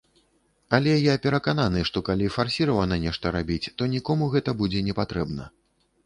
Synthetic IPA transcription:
alʲɛjapʲɛɾɐkananɨʂt̪ɔkalʲifarsʲiɾɐvɐnɐnʲɛʂt̪ɐɾabʲit͡sʲt̪ɔnʲikɔmuɣɛt̪ɐbud͡zʲɛnʲɛpat̪ɾɛbnɐ

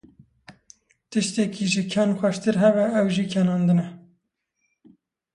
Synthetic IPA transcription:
t̪ɨʃt̪ɛkiʒɨkʰɑnxʷɛʃt̪ɨɾɦɛβɛɛwʒiːkʰɛnɑːnd̪ɨnɛ

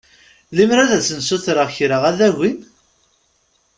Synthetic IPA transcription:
limɾæðæsənsuθɾəʁçɾəʁæðæʝin

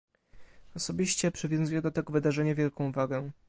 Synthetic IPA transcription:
ɔsɔbʲiɕt͡ɕɛpʂɘvʲjɔ̃zujɛd̪ɔt̪ɛɡɔvɘd̪aʐɛɲavʲjɛlkɔ̃w̃vaɡɛ

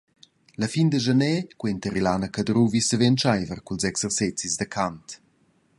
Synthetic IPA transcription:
ləfind̪əʒənɛkwuentəɾilaːnəkadɾuvisəvent͡ʃajvərkulzɛksərsɛt͡sizd̪əkʰant

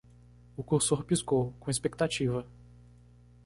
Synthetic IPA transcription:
ʊkuɾsoɾpiskowkõespekt̪at͡ʃivɐ

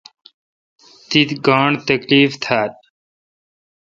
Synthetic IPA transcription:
t̪it̪ɡãːɳt̪əkliːft̪ʰaːt̪̚

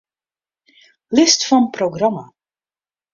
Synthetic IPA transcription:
lɪstfɑnproɡrɑma

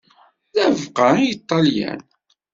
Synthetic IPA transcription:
ðævqənit̪ˤːɑljæ̰n

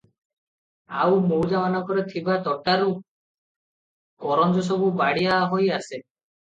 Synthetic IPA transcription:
a̰wmowd͡ʒamanɔkɔɾet̪ʰibat̪ɔʈaɾu | kɔɾɔnd͡ʒɔs̬ɔbubaɽijaɦojase

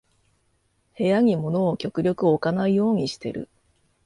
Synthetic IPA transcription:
he̞jaɲ̟imo̞no̞ːkʲo̞kɯ̟ɾʲo̞kɯ̟okanaijo̞ːɲ̟iɕi̥t̪e̞̰ɾɯ̟̰

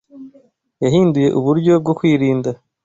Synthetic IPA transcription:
jaɦiːnduje̞̰ʔuβuɾɟo̞b̚ɡokwiːɾiːnda

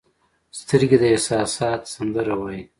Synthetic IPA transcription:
st̪əɾɡed̪əɪhsɑːsɑːt̪sand̪əɾawaji

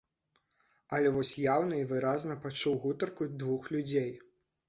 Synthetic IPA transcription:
ɐlʲɛvɔsʲjawnɐivɨɾaznɐpat͡ʂuwɣut̪ɐrkud̪vuxlʲud͡zʲej

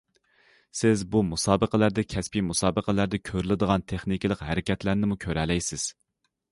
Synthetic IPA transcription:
sɪzbumusɑːbəqəlæɾd̪ɛkʲʰɛspimusɑːbəqʰəlæɾd̪ɛkʲʰøɾɪlɪd̪əʁɑnt̪ʰeχnikʲilˠəqɦæɾɪkʲɛt̪læɾnɪmukʲʰøɾɛlɛjsɪz̥

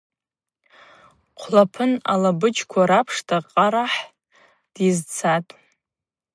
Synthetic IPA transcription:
qʷʰlapʰɨna̰labɨt͡ʃkʷʰaɾapʰʂtʰaqʼaɾaħ | d̥izt͡sʰatʼ

